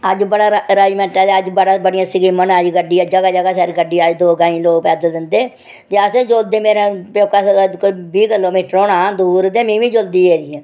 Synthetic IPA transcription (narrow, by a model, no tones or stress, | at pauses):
əd͡ʒbəɽaːɾaːd͡ʒmɛ̃ːʈɛːd̪eːəd͡ʒbəɽaːbəɽijãːsɪɡiːmənəd͡ʒɡəɖiːəd͡ʒəɡaːd͡ʒəɡaːsɛɾɡəɖiːəd͡ʒd̪oːɡaːĩːloːɡ̚pɛːd̪əd̪ɪnd̪eː | t̪eːəsẽːd͡ʒoːld̪eːmeːɾãːpjoːkaːskoiːbiːkɪloːmiːʈəɾoːnãːd̪uːɾd̪eːmĩːʋĩːd͡ʒoːld̪iːeːɾɪjɛ̃ː